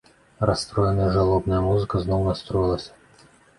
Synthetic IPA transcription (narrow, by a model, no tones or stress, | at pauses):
rɐst̪ɾɔjɪnəjəʐɐlˠɔbnəjəmuzɨkəznɔwnɐst̪ɾɔjɪlˠɐsʲɐ̥